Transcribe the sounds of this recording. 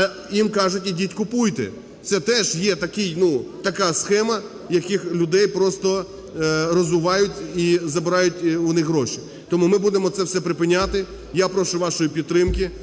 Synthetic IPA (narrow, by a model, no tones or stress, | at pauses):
jimkɑʒʊtʲidʲitʲkʊpujt̪ɛ̰ | t̪sɛt̪ɛʒjɛt̪ɐkɪjnut̪ɐkɑsxɛmɐ | jɐkɪxlʲʊd̪ɛjpɾɔst̪ɔ | rɔzʋʊʋɑjʊtʲizɐbɪɾɑjʊtʲʊnɪxɦɾɔʃi | t̪ɔmumɪbud̪emɔt̪sɛwsɛpɾɪpɪnʲːat̪ɪ | japɾɔʃʊʋɑʃɔjipʲid̪t̪ːɾɪmkʲi